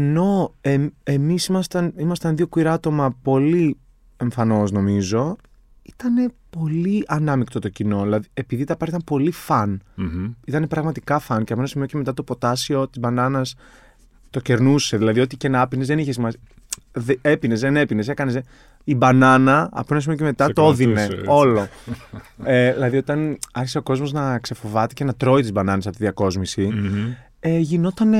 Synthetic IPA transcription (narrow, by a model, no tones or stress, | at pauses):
eno̞ee̞misimɐst̪ɐnimɐst̪ɐnðio̞kuiɾɐɐt̪o̞mɐpo̞li | e̞ɱfɐno̞zno̞mizo̞ | i̥t̪ɐne̞po̞liʔɐnɐmikt̪o̞t̪o̞cino̞ðilɐðie̞piðit̪ɐpɐɾit̪ɐmpo̞lifɐn | it̪ɐne̞pɾɐɣmɐt̪i̥kɐfɐnceɐpenɐsimioceme̞t̪ɐt̪o̞po̞t̪ɐsio̞t̪izbɐnɐnɐs | t̪o̞ce̞ɾnuse̞ðilɐðiot̪icenɐpinezðe̞niçesimɐsi | ðe̞pine̞zðene̞pine̞se̞kɐnese | ibɐnɐnɐɐ̰poenɐsimioceme̞t̪ɐt̪ooðineeo̞lo̞ | eðilɐðio̞t̪ɐnɐɾçi̥se̞o̞ko̞zmo̞znɐkse̞fo̞vɐt̪ece̞nɐt̪ɾo̞it̪izbɐnɐnesɐpot̪iðiɐko̞zmisi | eʝinot̪ɐn